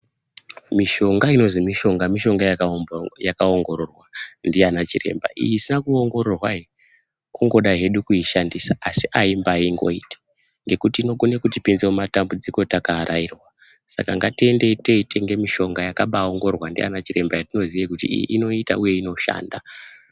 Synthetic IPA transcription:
miʃo̞ŋɡaino̞zimiʃo̞ŋɡamiʃo̞ŋɡajajakaoŋɡo̞ɾorwandianat͡ʃire̞̰mba̰ʔḭjisinakuoŋɡo̞ɾo̞rwai | kuŋɡo̞ɗaɦe̞ɗukuiʃandisaasiʔaimbaiŋɡo̞̰ḭːtḁ | ŋɡe̞kutino̞kune̞kutipinzeumatambud͡ziko̞takaːɾʔairwa | sa̰kaŋɡatie̞nde̞te̞ite̞ŋɡe̞miʃo̞ŋɡajakaɓao̞ŋɡo̞rwandḭa̰nat͡ʃire̞mbajatino̞ziʋekutḭʔino̞ita̰uje̞ino̞ʃa̰ːnda

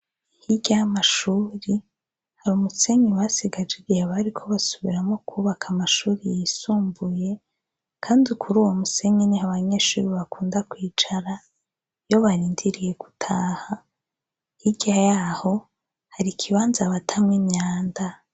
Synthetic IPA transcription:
hiɟajamaʃuːɾi | haɾumuse̞ɲiwasiɡad͡ʒeɡijaβaɾikʰo̞βasuβiɾamŋo̞kʰuːβakʰamaʃuːɾijisuːmbuje̞ | kʰaːndikʰuɾuːwo̞muse̞ɲinihaβaɲe̞ʃṵɾiβakʰuːndakwiːt͡ʃaɾa | jo̞βaɾiːndiɾije̞ɡ̥utʰaːha | hiɟajaho̞ | haɾikʰiβaːnzaβatʰamŋimɲaːnda

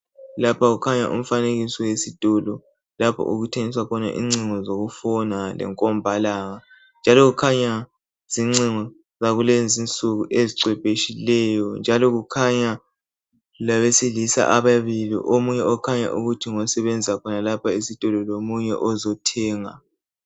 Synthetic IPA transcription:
lapʰaɣukʰaɲa̰ʔṵm̩faneɣisɔwesid̥ʱɔlɔ | lapʰɔ̰ʔuɣutʰeŋiswakʰɔna̰ʔḭŋ͡ǀiŋɔzoɣufɔnalɛ̰ŋkʼɔmbʱalaːŋa | nd͡ʒʱalɔɣukʰaɲa | z̥iŋ͡ǀiŋɔ | zaɣulend͡zint͡sʼuɣuʔeziǀwɛpʼeʃilɛjɔnd͡ʒʱalɔɣukʰaɲa | laβesilisa̰ʔaβaβilḭʔomuɲɛɔkʰaɲa̰ʔuɣutʰiŋɔsɛβɛnd͡zʱiakʰɔnalapʰaisid̥ʱɔlɔlomuɲɛ̰ʔɔzɔtʰɛːŋa

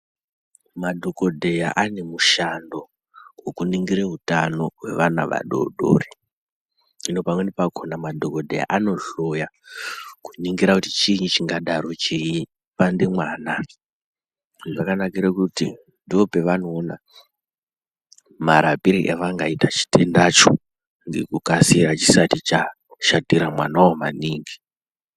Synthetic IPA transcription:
madʱoko̞dʱe̞ja̰ʔane̞muʃando̞ | wekuniŋɡiɾeɦutano̞we̞̰ʋana̰ʋa̰ɗo̰ɗo̰ri̥ | ino̞pamwenepakʰonamadʱokodʱḛja̰ʔano̞ɬo̞ja | ku̥niŋɡiɾakutit͡ʃiɲit͡ʃiŋɡaɗaɾo̞t͡ʃeji | pandemwaːna | ʐakanakiɾekuti | ndiopeʋano̞ːna | maɾapiɾiʔeʋaŋɡaitat͡ʃi̥te̞ndat͡ʃo | ŋɡḛkukasiɾat͡ʃi̥satit͡ʃa | ʃadiɾamwa̰nawoma̰niːŋɡi

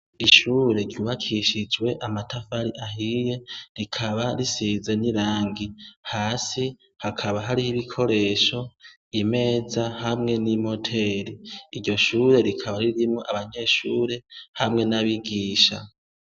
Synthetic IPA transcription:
iʃuːɾe̞ɾjuːβakʰiʃid͡ʒwe̞ʔamatʰafaɾiʔaɦije̞ɾikʰaβaɾisize̞niɾaːŋɡihaːsi | hakʰaβaɦaɾihiβikʰo̞ɾe̞ːʃo̞ | ime̞ːzahamŋe̞nimho̞tʰe̞ɾiːɾɟo̞ʃuːɾe̞ɾikʰaβaɾiɾimŋoʔaβaɲe̞ːʃuːɾe̞hamŋe̞naβiɡiːʃa

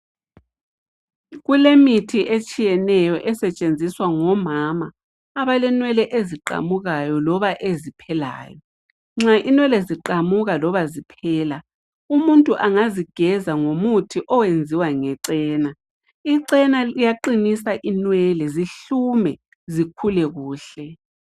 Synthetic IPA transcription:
ɣulemitʰiʔet͡ʃʼijɛnɛjɔʔɛsɛt͡ʃʼend͡zʱiswaŋɔmamaː | βalɛnwɛlɛʔeziǃa̰muɣajɔlɔβaʔezipʰɛla̰ːjɔ | ŋ͡ǁaʔinwɛlɛziǃamuɣalɔβazipʰɛːla | umuntʼuʔaŋaziɡ̥ʱɛzaŋomutʰiʔɔwend͡zʱiwaŋɛǀɛːna | iǀɛnaijaǃinisaʔinwɛlɛziɬumɛ | zikʰulɛɣuːɬɛ

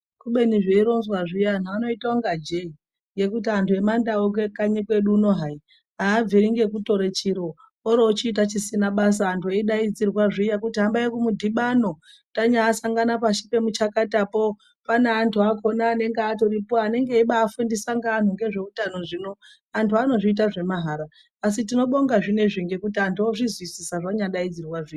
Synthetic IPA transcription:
kuɓe̞niʐeiɾo̞nzwaʐijan̤aano̞itaoŋɡad͡ʒe̞i | ŋjɡe̞kut̬iantʰue̞mandaok̬ekaɲikwe̞ɗuːno̞ɦai | aːb͡viɾiŋɡe̞kuto̞ɾe̞t͡ʃiɾo | oɾoːt͡ʃiːt̬at͡ʃisinaɓas̬aːntueiɗaid͡zirwaʐijakutiɦambajekumudʱiɓano̞ | taɲaːsaŋɡanapaʃi̥pe̞mut͡ʃakatapo̞ | paneːntʰuako̞naːne̞ŋɡeat̬o̞ɾipoane̞ŋɡeiɓaːfendisaŋɡaːn̤uŋɡe̞ʐe̞utano̞ʐino̞ | antʰuano̞ʐiit̬aʐe̞maɦaɾaː | s̬itino̞ɓo̞ŋɡaʐine̞ʐiŋɡe̞kutiantuoʐizwisisaʐaɲaɗaid͡zirwaʐia

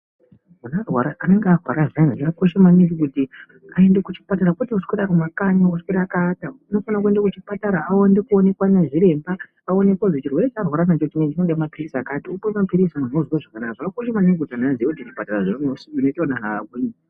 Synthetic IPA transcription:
munarwaɾaʔaneŋɡearwa̰ɾazanʐakakoʃemaniŋɡikuti | ae̞ndekut͡ʃi̥pataɾakutiuskweɗaɾumakaɲouskweɾakaːtauno̞fanak̬ue̞ndekut͡ʃipataɾaʔaondekuone̞kwaneʐiɾe̞mba | ao̞ne̞kwaʐot͡ʃirwe̞ɾet͡ʃarwaɾanat͡ʃoutineinoɗemapirisakatiukemapiɾisimun̤ozwaʐakanakaʐaakoʃemaniŋɡikutianaziekutiʐipataraʐinonosiunoiteonanaaɡ̚uɲi

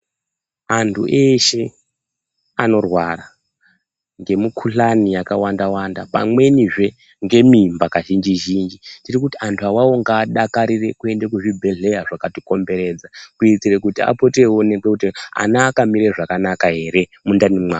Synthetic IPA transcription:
antʰṵʔe̞ʃe̞ | ano̞rwara | ŋɡe̞mukʰuɬanijakawandawanda̰pa̰mwe̞niʐe̞ | ŋɡe̞mimbakaʒind͡ʒiʒind͡ʒitirikutiantʰuawawo̞ŋɡaːɗakaɾire̞kue̞ndekuʐibʱe̞ɮe̞jaʐakati̥ko̞mbe̞ɾe̞ːd͡zakuit͡sirekutia̰po̞te̞wonekekutia̰naːkamiɾeʐakanakaɦe̞ɾe̞mundanimwaː

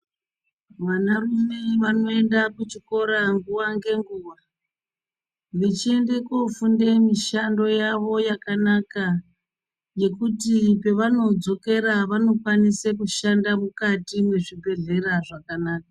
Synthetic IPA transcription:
ʋanarume̞ʋano̞e̞ndakut͡ʃiko̞ɾaŋɡuʋaŋɡe̞ŋɡuːʋa | ʋet͡ʃie̞nde̞kofunde̞miʃando̞jaʋo̞jakanaka | je̞kutipe̞ʋano̞d͡zo̞ke̞ɾaʋano̞kwanisekuʃandamukatimwe̞ʐibʱe̞ɮe̞ɾaʐakanaːk̚a

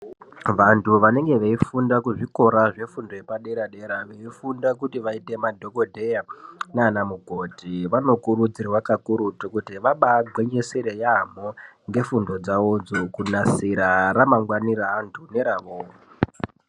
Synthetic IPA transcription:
ʋantʰuʋane̞ŋɡe̞ʋeifundakuʐiko̞ɾaʐe̞fundo̞epaɗe̞ɾaɗe̞ɾaʋeifundakutiʋaite̞madʱo̞kodʱe̞janeːnamuɡʱo̞tiʋano̞kuɾud͡zirwakakuɾutokutiʋaɓaɡʱwe̞ɲe̞seɾejam̤oŋɡe̞fundo̞d͡zaod͡zokunasiɾaramaŋɡwaniraːntʰune̞ɾaʋoː

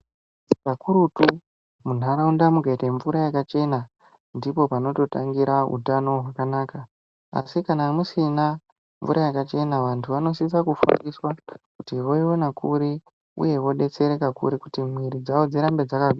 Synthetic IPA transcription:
pakuɾutu | mun̤ɦaɾaundamukaiteɱvuɾajakat͡ʃe̞na | ndipo̞pano̞to̞taŋɡiɾaṵtano̞ɦwakanaːka | a̰sikanamusina | ɱvuɾʔajakat͡ʃe̞naʋantʰuʋano̞s̬is̬akufṵndiswakutiwo̞iwenakuɾi | ṵje̞wo̞ɗe̞t͡se̞ɾe̞kakṵɾikutimwiɾid͡zawod͡ziɾambe̞d͡zakaɡ

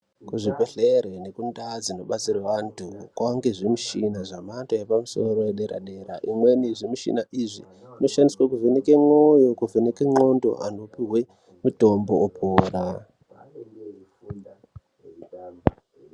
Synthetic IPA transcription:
kuʐipeɬeɾene̞kundad͡zino̞ɓat͡siraʋantʰukwaŋɡeʐimuʃinaʐamantojepamuso̞̰ɾojeɗeɾa̰ɗe̞ɾaʔimwe̞niʐimiʃḭnaʔiʐḭ | ino̞ʃandiswak̬uvenekeŋojokuvenekeŋ͡ǃo̞ndo̞̰ʔa̰no̞piɦwe | mutombo̞ːpʰoːɾa

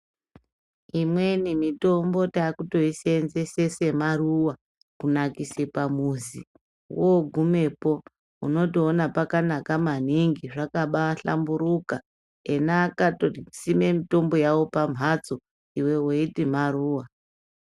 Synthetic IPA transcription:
imwe̞nimito̞mbo̞taːkuto̞isenzesese̞maruwa | kunakise̞pamuzi | woɡʱume̞po̞ | ṵno̞toːnapakanakaman̤iŋɡiʐakaɓaɬa̰mbuɾuka | enaːkatosime̞mito̞mbo̞jawo̞pam̤ʱat͡so̞ | iwe̞woitim̤aruːwa

